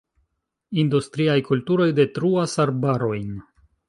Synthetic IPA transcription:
industɾiajkultuɾo̞jde̞tɾuasaɾbaɾo̞jn

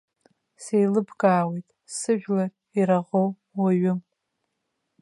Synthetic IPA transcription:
sejlɨbɡʼaːwejtʼ | sɨʒᶣlar | iɾaʁow | waɥʊ

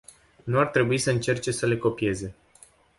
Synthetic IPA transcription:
nuart̪ɾe̞buisəɨnt͡ʃe̞rt͡ʃe̞səle̞ko̞pie̞ze̞

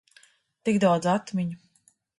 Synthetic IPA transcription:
t̪ikd̪awd̪zat̪miɲu

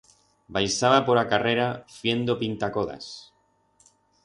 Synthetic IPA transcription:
bajsaβapoɾakareɾafje̞nd̪opint̪akoða̰s

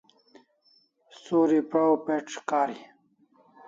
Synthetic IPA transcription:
soːɾipɾaopeʈ͡ʂkaːɾi

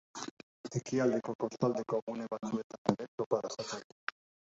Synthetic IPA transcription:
e̞kiald̪e̞ko̞ko̞st̪ald̪e̞ko̞ɣune̞βat͡sue̞t̪aneɾet̪o̞paðasat͡sajt̪u

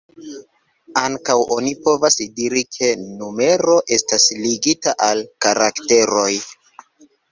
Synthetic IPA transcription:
aŋkawʔo̞nipo̞vasdiɾikʰe̞nume̞ɾo̞ʔe̞stasliɡitaʔalkaɾakte̞ɾo̞j

